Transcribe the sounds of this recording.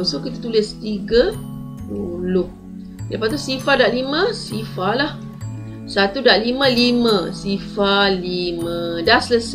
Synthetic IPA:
sokit̪at̪ulɪst̪iɡə | bulʊh | lapad̪asifadaʔlimə̃sifalah | sat̪udaʔlimə̃limə̃sifalimə̃dasələs

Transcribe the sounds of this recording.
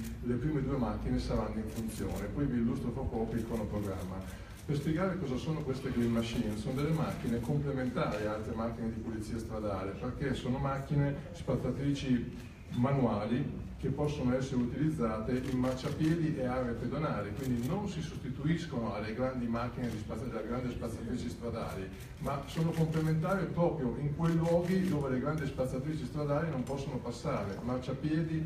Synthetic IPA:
lepɾiːmed̪uːemakːinesaɾanːoiɱfunt̪sjo̰ːnepɔjviːlːust̪ɾopɾɔkːpikʰːonopɾoɡɾamːa | perspjeɡaːɾekɔːzasoːnokwest̪eɡɾimːaʃinesond̪elːemak̟ːinekomplement̪aːɾialt̪ɾemak̟ːined̪ipolit̪sːiːast̪ɾad̪aːleperkesoːnomakːinespat̪ːat̪ɾiːt͡ʃi | manuaːli | k̟epːɔsːonoɛsːeɾeut̪ilid̪zːaːt̪eʔilmart͡ʃapjɛːd̪iʔɛaeaped̪onaːlekwind̪inonsisost̪it̪uiskonoalːeɡɾand̪imak̟ːined̪ispad̪eleɡɾand̪ispat̪sːat̪ɾiːt͡ʃist̪ɾad̪a̰ːli | masoːnokomplement̪̬aːɾepɾɔːpɾjoʔiŋkwejlwɔːɡid̪oːveleɡɾand̪ispat̪sːat̪ɾiːt͡ʃist̪ɾad̪aːlinompɔsːonopasːaːɾemart͡ʃapjɛːd̪i

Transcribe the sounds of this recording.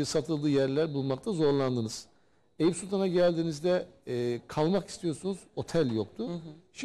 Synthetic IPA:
sat̪ʰɯlˠd̪ɯːjæɾlʲæɾbulˠmakt̪ʰazo̞ɾlˠand̪ɯnɯz̥ | ejipsulʲt̪ʰanaɟælʲd̪iːnizd̪ɛkʰalˠmaki̥st̪ʰijo̞ɾsunuzo̞t̪ʰælʲjo̞kt̪ʰuʃi

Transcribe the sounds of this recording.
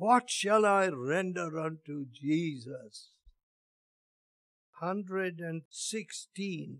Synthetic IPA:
wʌtʃəlaɪɹɛ̃ndəɾʌ̃ntud͡ʒizəs | hʌ̃ndɹɨdɨ̃nsɪkstĩn

